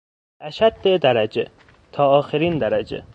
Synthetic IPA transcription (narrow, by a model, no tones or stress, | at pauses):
ʔæʃæd̪ːed̪æɾæd͡ʒḛ | t̪ʰɒːɒːxeɾiːnd̪æɾæd͡ʒḛ